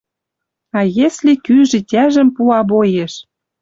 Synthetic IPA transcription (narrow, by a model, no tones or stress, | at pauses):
ɑjeslekyʒɘ̆tʲæʒə̆mpuɑbojeʃ